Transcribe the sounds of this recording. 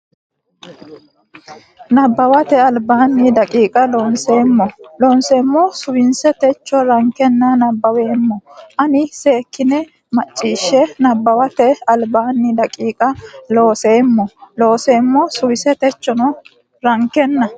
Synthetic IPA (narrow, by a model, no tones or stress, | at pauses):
nɐbːɐwɐt̪ɛɐlbaːnːɪd̪ɐkʼiːkʼɐloːnseːmːɔlɔːnseːmːɔsʊwɪnsɛt̪ɛt͡ʃːɔɾɐŋkɛnːɐnɐbːɐweːmːɔʔɐnɪse̞ːkːɪnɛ | mɐt͡ʃʼːiːʃːɛnɐbːɐwɐt̪ɛɐlbaːnːɪd̪ɐkʼiːkʼɐlo̞ːseːmːɔlo̞ːse̞ːmːɔsʊwɪsɛt̪ɛt͡ʃːɔnɔ | ɾɐŋkːɛnːɐ